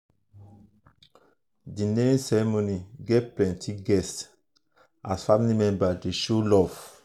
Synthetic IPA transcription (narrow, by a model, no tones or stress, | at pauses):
dinẽsɛɹɛmoniɡeplɛ̃ntʰiɡɛst | ʔasfamilimɛ̃nbadeʃolɔf